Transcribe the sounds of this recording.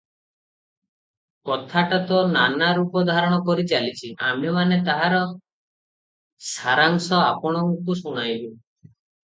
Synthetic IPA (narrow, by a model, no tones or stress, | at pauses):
kɔt̪ʰaʈat̪ɔnanaɾupɔd̪ʱaɾɔɽ̃ɔkɔɾit͡ʃalit͡ʃʰiʔamemanet̪aɦaɾɔ | saɾaŋsɔapɔɽ̃ɔŋkusuɽ̃ajbe